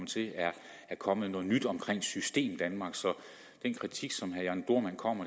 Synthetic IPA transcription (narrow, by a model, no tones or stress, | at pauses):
mt͡sʰe̝æɐ | æɐkʰɒ̽mð̩ˠnɔ̽ːð̩ˠnyd̥ɒ̽mkʰʁeŋ̰̥sysd̥e̝̰ːmd̥ænmɑ̈ːɡ̥sɒ̽ | d̥enkʰʁit͡sʰiɡ̥sɒ̽mhæɐjænd̥o̝ɐ̰mæn̰kʰɒ̽m̰ɐ